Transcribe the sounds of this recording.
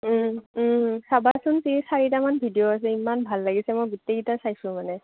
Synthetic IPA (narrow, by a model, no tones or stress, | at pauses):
sabasʊnsisaɹitamanbʱidijoas̬ɛimanbʱalːaɡisɛmɔjɡuteɡitasajsʊ̃manɛ